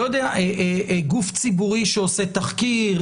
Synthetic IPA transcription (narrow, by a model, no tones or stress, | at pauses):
jod̪eaʔeʔeʔɡuft͡sibuʁiʃeoset̪aχki